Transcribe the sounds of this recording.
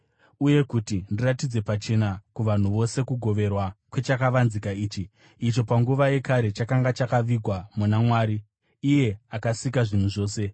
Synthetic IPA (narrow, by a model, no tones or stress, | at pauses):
uje̞kutindiratid͡ze̞pat͡ʃe̞nakuʋan̤uʋo̞se̞kuɡʱo̞ʋe̞rwakwe̞t͡ʃakaʋanzikaiːt͡ʃi | it͡ʃo̞paŋɡuʋaje̞kaɾe̞t͡ʃakaŋɡat͡ʃakaʋiɡʱwamunamwaːɾiː | je̞akasikaʐin̤uʐo̞ːse̞